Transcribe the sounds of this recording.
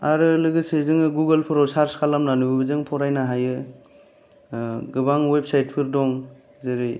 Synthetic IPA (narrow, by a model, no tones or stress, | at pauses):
aɾɯlɯɡɯsezɯŋɯɡuɡɯlpʰɯɾɔwsaɾskʰalamnanubɯbɯzɯŋpʰɔɾajnaɦajɯ | ɡɯbaŋwep̚sajt̚pʰɯɾdɔŋ | zeɾɯ